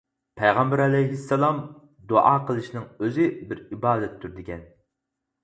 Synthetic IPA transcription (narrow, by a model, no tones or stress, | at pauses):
pʰɛjʁɑmbæɾɛlɛjɦisːɛlˠɑm | d̪oʔɑːqʰəlˠɨʃnɨŋøzɪbɪɾibɑːd̪ɛt̪ʰːyɾd̪ɪɡʲɛn